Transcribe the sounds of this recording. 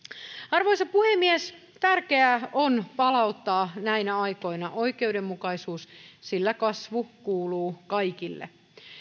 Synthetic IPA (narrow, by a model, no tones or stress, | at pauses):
ɑrʋo̞jsɑpuhemːies | t̪ærkeæonpɑlɑut̪ːɑːnæinæɑjko̞jnɑʔo̞jke̞ude̞mːukɑjsuːssilːækɑsʋukuːluːkɑjkilːḛ